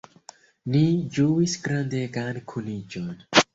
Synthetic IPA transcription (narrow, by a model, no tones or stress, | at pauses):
nid͡ʒuwisɡɾãnd̪eːɡankʰulid͡ʒon